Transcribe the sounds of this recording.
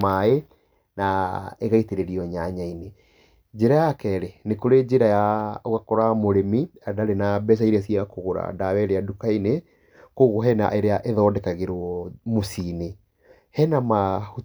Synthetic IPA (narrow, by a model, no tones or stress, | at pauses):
mae | naeɣaiteɾeɾiɔɲaɲaine | d͡ʑeɾajakɛɾenekoɾed͡ʑeɾajaoɣakɔɾamoɾemiadaɾenabɛs̬aiɾeasiakoɣoɾa̰dawɛɾeadukaine | koɣoɦɛna̰ʔeɾeaʔeðɔdɛkaɣeɾɔmosine | hɛnamahu